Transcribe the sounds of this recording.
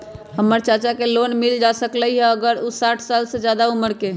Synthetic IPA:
ɦəmːəɾt͡ʃat͡ʃakelonmild͡ʒasəkləiɦɛəɡəɾusaʈʰsalsed͡ʒjad̪auməɾke

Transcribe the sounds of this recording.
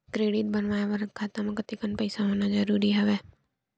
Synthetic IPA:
kɾeːɽɪʈ̪̚bənʋaːjaʋəɾkʰaːt̪ãmẽkət̪ikənpəɪsaɦoːnad͡ʒəɾuːɾiɦɛʋeː

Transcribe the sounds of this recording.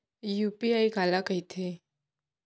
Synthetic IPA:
jupiajɡʱalakəit̪ʰe

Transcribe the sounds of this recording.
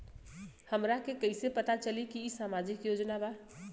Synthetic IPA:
həmɾakekəɪsepət̪at͡ʃəlikiːsamad͡ʒikjod͡ʒnaba

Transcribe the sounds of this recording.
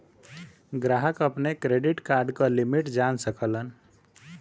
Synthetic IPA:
ɡɾaɦəkəpnekɾeɖiʈkaɾɖkɔlimiʈd͡ʒansəkələn

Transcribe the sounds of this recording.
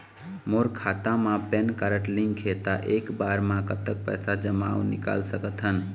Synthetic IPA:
moɾkʰat̪ãmãpenkəɾəʈliŋɡkʰet̪aʔekbaɾmãkət̪ək̚pə̰jsad͡ʒəma̰wnḭka̰lsəkət̪ɦən

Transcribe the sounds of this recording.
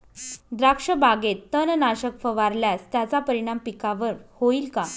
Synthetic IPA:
d̪ɾakʂəbaɡet̪ːənnaɕəkfəʋaɾljast̪jat͡sapəɾiɽ̃ampikaʋəɾhoiːlka

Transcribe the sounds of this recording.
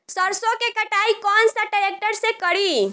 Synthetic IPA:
səɾsõkekəʈaikɔːnsaʈəɾek̚ʈəɾsekəɽi

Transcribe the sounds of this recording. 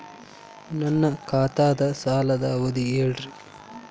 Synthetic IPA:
nɐnːɐkʰaːt̪aːd̪ɐsaːlɐd̪ɐʋod̪ieɭɾi

